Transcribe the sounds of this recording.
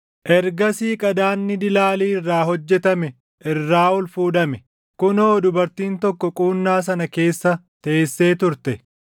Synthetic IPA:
ʔɛɾɡɐsiːkʼɐd̪aːnːɪd̪ɪlaːliːɪrːaːɦɔd͡ʒːɛt̪ɐmɛ | ʔɪrːaːɔlfuːᶑɐmɛ | kʊnoːd̪ʊbɐɾt̪iːnt̪ɔkːɔkʼuːnːaːs̬ɐnɐke̞ːsːɐt̪ɐʔeːsːe̞ːt̪ʊɾt̪ɛ

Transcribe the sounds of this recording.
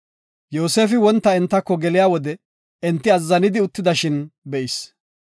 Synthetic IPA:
jo̞ːse̞ːfɪwɔnt̪ːɐɪnt̪ːɐkːɔɡɛlɪjaːwɔd̪ɛ | ɛnt̪ːɪɐzːɐnɪd̪ɪʊt̪ːɪd̪ɐʃɪnbɛʔɪs

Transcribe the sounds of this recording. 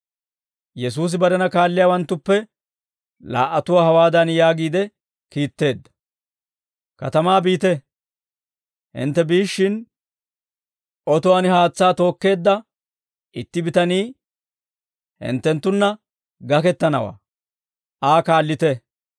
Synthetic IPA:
jɛs̬uːs̬ɪbɐɾɛnɐkaːlːɪjaːwɐnt̪ːʊpːɛ | la̰ːʔɐt̪ʊwaːhɐwaːd̪ɐnjaːɡiːd̪ɛ | kiːt̪ːe̞ːd̪ːɐ̥ | kɐt̪ɐmaːbiːt̪ɛ | hɪ̰nt̪ːɛbiːʃːɪn | ʔɔt̪ʊwaːnɪhaːt͡sːaːt̪o̞ːkːe̞ːd̪ːɐ | ʔɪt̪ːɪbɪt̪ɐniː | hɪ̰nt̪ːɛnt̪ːʊnːɐ | ɡɐkɛt̪ːɐnɐwa̰ː | aːkaːlːɪt̪ɛ

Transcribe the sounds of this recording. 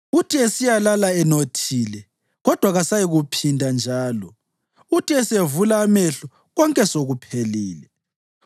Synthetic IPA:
utʰʼiesijalalaɛnotʰiːlɛ | ɣɔd̥ʱwaɣasajiɣupʰindʱand͡ʒʱaːlɔ | utʼiɛsevulaːmɛɬɔ | ɣɔŋkʼɛsoɣupʰeliːlɛ

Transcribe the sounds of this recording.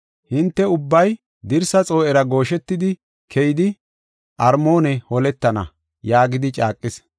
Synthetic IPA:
hɪnt̪ːɛʊbːɐj | d̪ɪɾsɐt͡sʼo̞ːʔɛɾɐɡo̞ːʃɛt̪ːɪd̪ɪ | kʰɛjɪd̪ɪ | ʔɐɾmo̞ːnɛhɔlɛt̪ːɐnɐ̰ | jaːɡɪd̪ɪt͡ʃʼaːkʼːɪs

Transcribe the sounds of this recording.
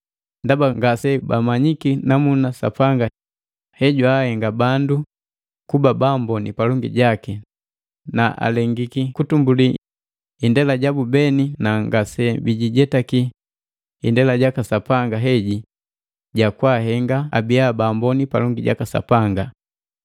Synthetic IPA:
ndabaŋɡasɛbamaɲikinamunasa̰paŋɡa | hɛɟuahɛŋɡabandu | kubabambɔnḭpalɔŋɡḭɟaki | naʔa̰lɛŋɡikikutumbuli | indɛlaɟabubɛninaŋɡasɛbiɟiɟɛtaki | indɛlaɟakasapaŋɡaɦɛɟi | ɟakwaɦɛŋɡa̰ːbiabaːmbɔnipa̰lɔŋɡiɟa̰kasa̰paŋɡa

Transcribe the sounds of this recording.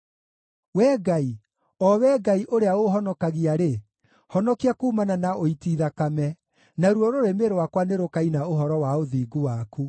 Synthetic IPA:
wɛːɡai | ɔwɛɡaiʔoɾeaoɦɔnɔkaɣiaɾe | hɔnɔkiakuːmananaoitiːðakamɛ | naɾwɔɾoɾemeɾowakwaneɾokainaoɦɔɾɔwaoðiːɡuwaku

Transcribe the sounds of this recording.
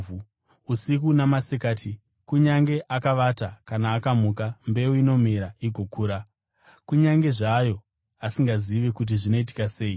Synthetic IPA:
u | usik̬unamasekaːtʰi | kuɲaŋɡe̞ʔakaʋatakanaːkamuːkambe̞uino̞meɾaiɡʱokʰuːɾa | kuɲaŋɡe̞ʐajo̞ | asiŋɡaziʋe̞kut̬iʐino̞it̬i̥kase̞ːi

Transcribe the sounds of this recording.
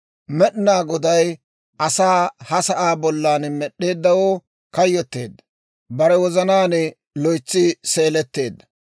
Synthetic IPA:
mɛɗnaːɡɔd̪ɐj | ɐsaːhɐsɐʔaːbɔlːaːnmɛɗːe̞ːd̪ːɐwoː | kɐjːɔt̪ːe̞̰ːd̪ːɐ̥ | bɐɾɛwɔzɐnaːnɛ | lɔjt͡sːɪse̞ːlɛt̪ːe̞ːd̪ːɐ̥

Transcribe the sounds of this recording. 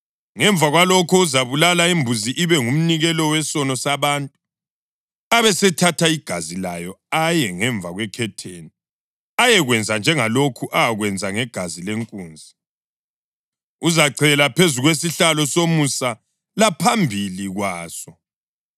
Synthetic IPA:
ŋɛɱb̪vʱaɣwalɔkʰɔuzaβulalaimbʱuziʔiβɛŋum̩niɣɛlɔwɛsɔnɔsaβaːntʼu | aβɛsɛtʰatʰaiɡ̥ʱazilajɔajɛŋɛɱvʱaɣwɛkʰɛtʰeːni | ajɛɣwɛnd͡zʱand͡ʒʱɛŋalokʰuʔaaɣwɛnd͡zʱaŋɛɡ̥ʱazileŋkʼuːnd͡zʱi | uzaǀʰɛlapʰezuɣwesiɬalɔsomusa | lapʰambʱiliɣwaːsɔ

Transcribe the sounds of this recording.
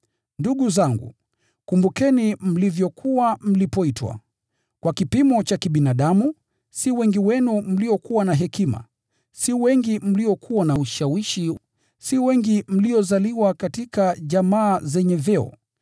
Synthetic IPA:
nduɠuzaŋɡṵ | kumbukɛnim̩livjɔkʰuwam̩lipɔitwa̰ | kwakipimɔt͡ʃakiɓinaɗamu | siwɛŋɡiwɛnum̩liɔkuwanaɦɛkima̰ | siwɛŋɡim̩liɔkʰuwanauʃawiʃi | siwɛŋɡim̩liɔzaliwakatikaʄamaːzɛɲɛvɛɔ̰

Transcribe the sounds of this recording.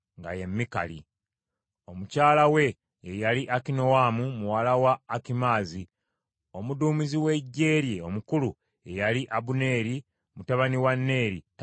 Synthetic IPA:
ŋɡa̰je̞mːika̰lḭ | o̞mucaːlawe̞ː | jaliʔakino̞waːmumuwalawaːkimaːzi | o̞muduːmiziwe̞ɟːe̞ːɾje̞o̞mukulu | e̞jaliʔaβune̞ːɾi | mutaβaniwanːe̞ːɾḭt

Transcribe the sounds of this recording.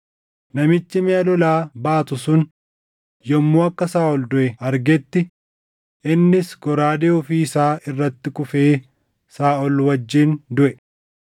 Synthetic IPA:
nɐmɪt͡ʃːɪmɛɐlɔlaːbaːt̪ʊsʊn | jɔmːoːɐkːɐsaːʔɔld̪ʊʔɛɐɾɡɛt̪ːɪ | ɪnːɪsɡɔɾaːd̪eʊfiɪsaːɪrːɐt̪ːɪkʊfeː | saːɔlwɐd͡ʒːiːnd̪ʊʔɛ

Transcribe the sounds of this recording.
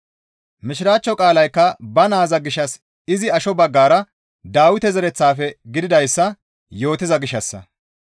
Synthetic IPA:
mɪʃɪɾaːt͡ʃːɔkʼaːlɐjkːɐbɐnaːzɐɡɪʃːɐs | ɪzɪɐʃɔbɐɡːaːɾɐ | d̪aːwɪt̪ɛzɛɾɛt͡sːaːfɛɡɪd̪ɪd̪ɐjsːɐ | jo̞ːt̪ːɪzɐɡɪʃːɐsːɐ̰

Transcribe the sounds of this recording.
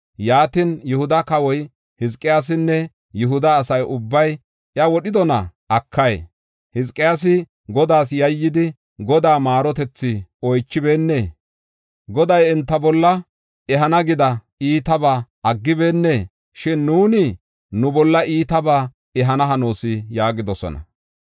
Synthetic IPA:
jaːt̪ɪnjʊhʊd̪ɐkɐwɔj | hɪs̬kʼːɪjaːs̬ɪnːɛ | jʊɦʊd̪ɐːsɐjʊbːɐj | ʔɐwɔɗɪd̪ɔnɐ̰ʔɐkʰːɐj̰ | hɪskʼːɪjaːs̬ɪ | ɡɔd̪aːsjɐjːɪd̪ɪ | ɡɔd̪aːmaːɾɔt̪ɛt͡sːɪɔjt͡ʃːɪbe̞ːnːeː | ɡɔd̪ɐjɛnt̪ːɐbɔlːɐ | ɛɦɐnɐɡɪd̪ɐ | iːt̪ɐbaʔɐɡːɪbe̞ːnːeː | ʃɪnːuːnɪ | nʊbɔlːɐʔiːt̪ɐbaː | ɛɦɐnɐɦɐno̞ːsɪjaːɡɪd̪ɔsɔ̰nɐ̰

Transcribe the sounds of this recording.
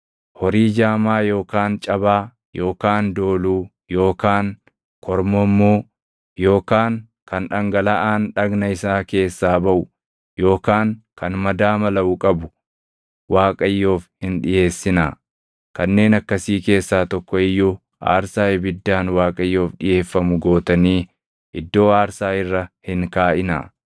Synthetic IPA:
hɔɾiːd͡ʒaːmaːjo̞ːkaːnt͡ʃʼɐbaː | jo̞ːkaːnd̪o̞ːluː | jo̞ːkaːŋ | kʰɔɾmɔmːuː | jo̞ːkaːŋ | kɐnᶑɐŋɡɐlɐʔaːnᶑɐɡnɐɪsaːke̞ːsːaːbɐʔʊ | jo̞ːkaːŋkɐnmɐd̪aːmɐlɐʔʊkʼɐbʊ | waːkʼɐjːo̞ːfhɪnᶑɪje̞ːsːɪnaː | kɐnːe̞ːnɐkːɐsiːke̞ːsːaːt̪ɔkːɔɪjːu | ʔa̰ːɾsaːɪbɪd̪ːaːnwaːkʼɐjːo̞ːfɗɪje̞ːfːɐmʊɡo̞ːt̪ɐniː | ʔɪd̪ːo̞ːaːɾsaːɪrːɐhɪŋkaːʔɪna̰ː

